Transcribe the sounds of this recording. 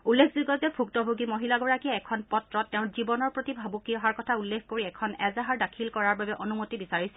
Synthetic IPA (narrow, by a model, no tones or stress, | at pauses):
ulːekʰziɡɔzɛpʰuktɔbʱuɡimoɦilaɡɔɹakiɛɛkʰɔnpɔtɹɔtːɛʊ̃nzibɔnɔɹpɹotibʱabukiɔɦaɹkɔtʰaulːekʰkoɹiɛkʰɔnɛzaɦaɹdakʰilkɔɹaɹbabɛʔonumotibisaɹisɛ̥